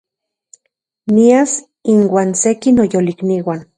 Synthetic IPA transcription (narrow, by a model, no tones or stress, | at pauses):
mias | inwaːnsekinojolikniwan